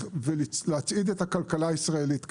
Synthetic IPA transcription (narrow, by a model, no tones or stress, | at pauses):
velileat͡sid̪e̞takalkalaisʁae̞lit̪k